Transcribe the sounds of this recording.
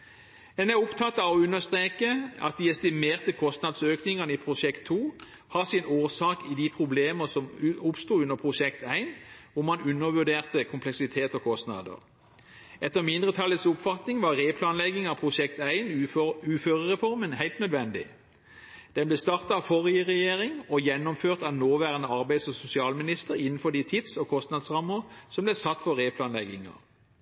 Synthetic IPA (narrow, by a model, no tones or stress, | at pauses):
ɛnæʊpt̪ʰɑt̪ːɑʋɔʉnːəst̪ʁeːkəɑ̰t̪̚d̪iːɛst̪ɪmeːʁt̪əkʰɔst̪nɑd̪søːknɪŋənəiːpʰʁʊʃɛkt̪ʰːuː | hɑsɪnoːsɑːkɪd̪ipʰʁʊbleːməsɔmʊpst̪uːʉnːəpʰʁʊʃɛkt̪æɪnʋʊmɑnʉnːəʋʉɖ̪eːʁt̪əkʰʊmpʰlɛksɪt̪ʰeːt̪ɔkʰɔst̪nɑ̰d̪ə̰ʁ | ɛt̪ːəʁmɪnd̪ʁət̪ʰɑlːət̪sʊpfɑt̪nɪŋʋɑʁeːpʰlɑːnlɛɡɪŋɑpʰʁʊʃɛkt̪æɪnʉːføːʁəʁɛfɔʁmənhæɪlt̪nœd̪ʋɛnd̪ɪ̰ | d̪̥ɛnblɛst̪ɑʁt̪ɑɑfɔʁɪəʁɛjeːʁɪŋɔjɛnːɔmføːʁt̪ɑʋnoːʋæːʁənəɑʁbæɪsɔsʊsɪɑːlmɪnɪst̪əʁɪnn̩fɔd̪it̪ʰɪt̪sɔkʰɔst̪nɑd̪sʁɑmːəʁsɔmblɛsɑt̪ːfɔʁeːpʰlɑːnlɛɡɪŋɑ̰